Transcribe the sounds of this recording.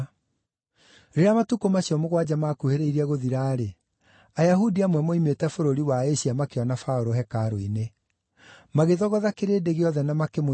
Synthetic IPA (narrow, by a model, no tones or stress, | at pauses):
ɾeɾamatukomaɕiɔmoɣwad͡ʑamakuheɾeiɾiɛɣoðiɾaːɾe | ajaɦudiamwɛmoimetɛfoɾoɾiwaeɕiamakeɔnafaoɾoɦɛkaɾoine | maɣeðɔɣɔðakeɾeːdeɣeɔðɛnamakemo